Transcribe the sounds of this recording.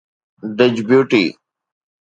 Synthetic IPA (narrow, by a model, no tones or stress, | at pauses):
ɖəd͡ʑbjuːʈḭː